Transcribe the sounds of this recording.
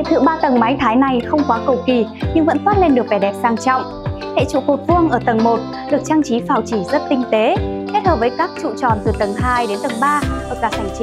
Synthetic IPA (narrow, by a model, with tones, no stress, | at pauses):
ḛ˧˨t̪ʰɨ̰˧˨ɓaː˧t̪ə˨˩ŋma˨˦jt̪ʰaː˨˦jna˨˩jxə˧wŋ͡mkwaː˨˦kə˨˩wki˨˩ɲɨ˧ŋvə̰˧˥nfwaː˦˥t̚le˧nɗɨ˨˩ək̚vɛ˨˩ɗɛ˨˩p̚zaː˧ŋt͡ɕɔ̰˧˨wŋ͡m | hḛ˧˨t͡ɕṵ˧˨ko˨˩t̚vɨ˧əŋʔəː˧˩t̪ə˨˩ŋmo˨˩t̚ | ɗɨ˨˩ək̚t͡ɕaː˧ŋt͡ɕi˨˦faː˨˩wt͡ɕi˧˩zə˦˥t̚t̪ï˧ŋ̟t̪e˨˦ke˦˥t̚həː˨˩p̚vəː˨˦jkaː˦˥k̚t͡ɕṵ˧˨t͡ɕɔ̰˧˨nt̪ɨ˨˩t̪ə˨˩ŋɦaː˧jɗe˨˦nt̪ə˨˩ŋɓaː˧t̪ʰə˨˩t̚zaː˨˩sa˧˩jŋt͡ɕi˨˦